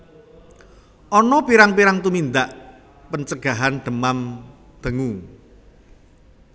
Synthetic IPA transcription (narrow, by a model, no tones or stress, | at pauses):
ʔɔnɔpiɾaŋpiɾaŋt̪umind̪aʔ | pəɲt͡ʃəɡ̥a̤ɦand̪̥ə̤mam | d̪̥əŋu